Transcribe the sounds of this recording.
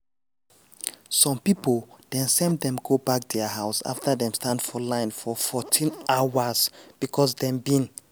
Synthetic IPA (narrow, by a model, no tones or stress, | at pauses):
sɔ̃mpipolˠdɛ̃nsɛ̃mdɛ̃mɡobak̚dəɦaʊsa̰ftʰəðɛ̃mstʰãndfɔlãɪ̃nfɔfɔtʰĩnʔawəzb̥ikʰɔsdɛ̃mbĩn